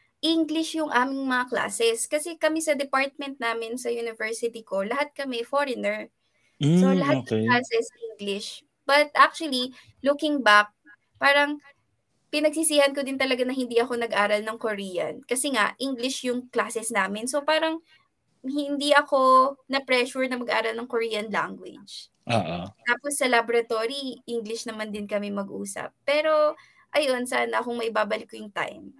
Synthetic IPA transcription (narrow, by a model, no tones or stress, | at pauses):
ʔiŋɡlɪʃjʊŋʔaːmɪŋmɐŋakla̰ːsɛskɐsɛkɐmɛsɐd̪ɛpaɹt̪̚mɛnt̪̚naːmɪnsɐjunɪvɛɹsɪt̪iko̞lɐɦat̪̚kɐmɛfoɹɪnɛɹ | solɐɦat̪̚nɐklaːsɛsʔiŋɡlɪʃ | b̥ɐt̪ʔak̚t͡ʃʊɐli | lukɪŋbak̚ | paːɾɐŋ | pɪnɐɡ̚sisiːhɐnkod̪ɪnt̪ɐlɐɡanɐhɪnd̪iʔɐko̞nɐɡʔaːɾɐlnɐŋkoɾiːjɐ̰nkɐsɛŋaʔʔiŋɡlɪʃjʊŋklaːsɛsnaːmɪnso̞paːɾɐŋ | hɪnd̪iɐko̞nɐpɾɛʃʊɹnɐmɐɡʔaːɾɐlnɐŋkoɹiːjɐnla̰ŋɡwɪ̰d͡ʒ | ʔoːt̪aːposːɐlabɾɐt̪o̞ɾiʔiŋɡlɪʃnɐmand̪ɪnkɐmɛmɐɡʔuːsɐ̰pːɛːɾo̞ | ʔɐjo̞nsaːnɐkʊŋmɐʔɪbaːbɐlɪkːojʊŋt̪a̰jm